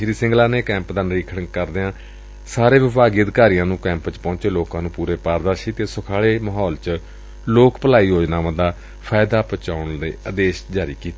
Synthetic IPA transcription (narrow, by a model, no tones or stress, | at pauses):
ʃɾiːsɪ̃ŋɡlaːneːkɛ̃ːmpd̪aːnɾiːkʰəɽəkəɾd̪ejãː | saːɾeːʋɪʋaːɡiːəd̪ɪkaːɾijãːnũːkɛ̃ːmpt͡ʃpɔ̃ːt͡ʃeːloːkãːnũːpuːɾeːpaːɾd̪əɾʃiːt̪eːsʊkʰaːɭeːməɦɔːlt͡ʃ | loːkpəlaːiːjoːd͡ʒnaːʋãːd̪aː | pʰaːɪd̪aːpət͡ʃaːʊɳd̪eːəd̪eːʃd͡ʒaːɾiːkiːt̪e